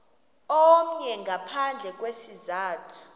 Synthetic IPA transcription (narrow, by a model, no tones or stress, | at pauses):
ɔm̩ɲɛŋɡapʰand͡ɮʱɛk̬ʼwesizaːtʰu̥